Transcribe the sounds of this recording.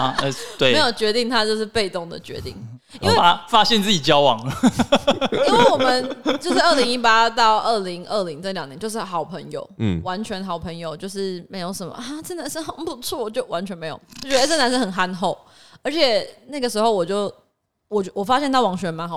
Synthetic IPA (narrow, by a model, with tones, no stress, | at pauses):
t̪we˨e˧˥jo˨˩ʊt͡ɕɥɛ˧˥t̪i˥˩ŋt̪ʰa˥˦t͡ɕjo˥˧ʊʂɻ̩˥˧pe˥˧ɪt̪o˥˩ŋd̪ə̰˩t͡ɕɥɛ̰˧˥t̪ḭ˥˩ŋ | i˥we˥a˥fa˦ɕɛ˥˧nt͡sɹ̩˥˩t͡ɕi˨˩t͡ɕjɑ˥ʊwɑ˨˩ŋə˩ | i˥nwe˥˩wɔ˨˩mə˨˦nt͡ɕjo˥˧ʊʂ̩˥˧ə˥˩li˧˦˥ŋi˦˥p̬a˥t̪ɑ˥˧ʊʔə˥˩li˧˥ŋʔə˥˩li˧˥ŋt͡sljɑ˨˩ŋli˧˦ŋt͡ɕjo˧ʂɻ̩˥˩xɑ˨˩ʊpʰə˧˥ŋjo̰˨˩ʊwa˧˦˥nt͡ɕʰɥɛ˧˥nxɑ˨˩ʊpʰə˧˦˥ŋjo˨ʊt͡ɕjo˥˧ʊʂɻ̩˥˩me˧˥ɪjo˧˥ʊʂə˨˦nmə̰˨a˥˩t͡sə˥˩˨na˧˥nʂə˥nxə˨˩npu˧˩t͡sʰwɔ˥˩wt͡ɕjo˥˩ʊwa˧˦nt͡ɕʰɥɛ˧˥nme˧˥ɪjo̰˨˩ʊ˥ɔ˥˩t͡ɕɥɛ˧˥ə˧t͡sə˥˩na˧˥nʂə˥xə˨˩nxa˥nxo˥˩ʊ | ə˞˧˥t͡ɕʰjɛ˨˩na˥˩ɡə˩ʂɻ̩˧˥xo˥˧ʊwɔ˨˩t͡ɕjo˥˩ʊ | wɔ˨˩t͡ɕwɔ˨˩fa˦˥ɕjɛ˥˧nt̪ʰɑ˥˩ʊwɑ˨˩ŋɕɥɛ˧˥ma˧˦nxɑ˨˩